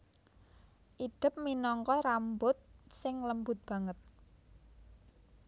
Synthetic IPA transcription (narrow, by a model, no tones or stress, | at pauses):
ʔiɖ̪̥ɪ̤p̚minɔŋkɔɾambʊt̪̚sɪŋləmbʊt̪̚b̥a̤ŋət̪̚